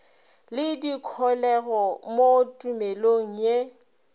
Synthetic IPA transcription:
lɪdikʰɔlɛɣɔmotʼumeloŋ̩je

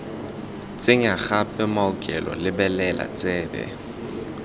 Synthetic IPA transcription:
t͡sʼɪŋaɣapʼɛmaʊkʼɛlɔ̰lɪbɛlɛla̰t͡sʼɛːbɛ̰

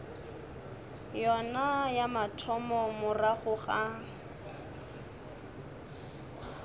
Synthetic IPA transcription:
jɔnajamatʰɔmɔmʊraχʊχa

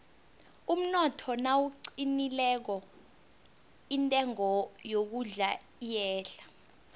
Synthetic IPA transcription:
um̩nɔtʰɔnawuǀinilɛk̬ɔ | intʼɛŋɔjok̬uɮaijɛːɬḁ

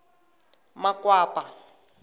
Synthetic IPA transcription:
makwaːpa

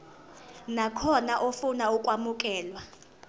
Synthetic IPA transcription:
nakʰɔnaʔofunaukʼwamuk̬ʼɛːlwa

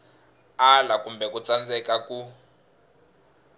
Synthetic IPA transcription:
alakumbʱɛkut͡sand͡zɛkaku

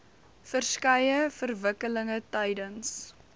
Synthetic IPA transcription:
fərskɐjəfərvəkələŋətɛjdəns

